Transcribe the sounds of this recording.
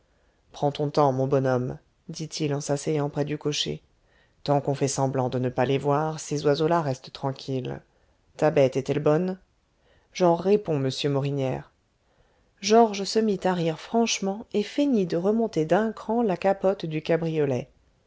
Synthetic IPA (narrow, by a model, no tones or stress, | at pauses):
pχɑ̃t̪ɔ̃t̪ɑ̃mɔ̃bɔnɔm | d̪it̪ʰilɑ̃sasɛjɑ̃pχɛd̪ykɔʃḛ | t̪ɑ̃kɔ̃fɛsɑ̃blɑ̃d̪ənəpalɛvwaʁsezwazolaʁɛst̪t̪χɑ̃kʲʰil | t̪abɛt̪ɛt̪ɛlbɔn | ʒɔʁːepɔ̃məsjømɔʁinjɛːʁ | ʒɔʁʒsəmit̪aʁiʁfχɑ̃ʃmɑ̃efenid̪əʁəmɔ̃t̪ed̪ɛ̃kχɑ̃lakapɔt̪d̪ykabʁijɔlɛ